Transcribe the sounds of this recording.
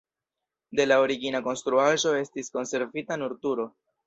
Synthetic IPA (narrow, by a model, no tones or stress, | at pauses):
de̞lao̞ɾiɡinako̞nst̪ɾuaʒo̞e̞stisko̞nse̞ɾvitanuɾtuɾo̞